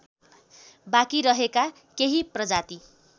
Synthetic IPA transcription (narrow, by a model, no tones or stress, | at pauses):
bakiɾʌɦeka | keɦiprʌd͡zat̪i